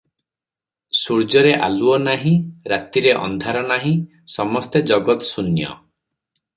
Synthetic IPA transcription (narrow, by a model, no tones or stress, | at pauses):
suɾd͡ʒɔɾeʔa̰luɔnaɦĩɾat̪iɾeʔɔ̰nd̪ʱaɾɔnaɦĩ | sɔmɔst̪ed͡ʒɔɡɔt̪sunjɔ̰